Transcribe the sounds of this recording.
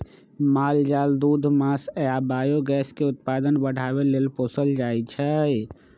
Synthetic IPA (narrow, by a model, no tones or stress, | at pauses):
mald͡ʒald̪ud̪ʱmasjabajoɡɛskeut̪̚pad̪ənbəɽ̤ʱaβelelposəld͡ʒajt͡ʃʰə